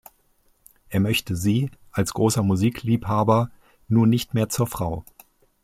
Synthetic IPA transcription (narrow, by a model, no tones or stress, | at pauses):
ʔeːɐmœçtəziːʔalsɡ̥ʁoːsɐmuziːkliːphaːbɐ | nuːɐnɪçtmeːɐt͡suːɐfʁ̥aʊ